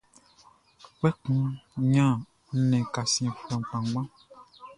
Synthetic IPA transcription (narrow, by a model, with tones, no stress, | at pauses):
k͡pɛ˦kũ˦ɲã˦˨˦ | nɛ̃˨ka˨sĩ˨ɛ˨k͡pɛ̃˨m˨k͡pã˨ŋɡ͡bã˦